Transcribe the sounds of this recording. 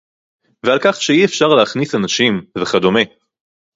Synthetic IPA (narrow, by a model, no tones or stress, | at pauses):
vealkaχʃeiefʃaʁleaχnisanaʃimveχad̪o̞me̞